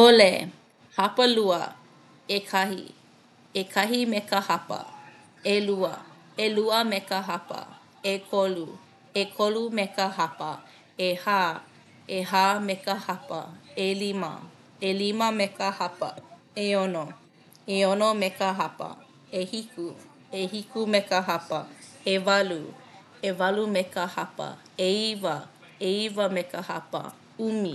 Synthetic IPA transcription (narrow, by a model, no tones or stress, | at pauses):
ole | hapəluə | ekʰɐhḭ | ekʰɐɦimekəhapə̰ | eluə̰ | eluəmekəɦapə̰ | ekʰolu | ekʰolumekəɦapə | ehaː | eɦaːmekəhapə̰elimɐ̰ | eliməmekəhapə̰ | eono | eonomekəɦapə̰ | ehiku | ehikumekəɦapɐevalu | evalumekəhapə̰ | eivə | eivəmekəha̰pə̰ | umi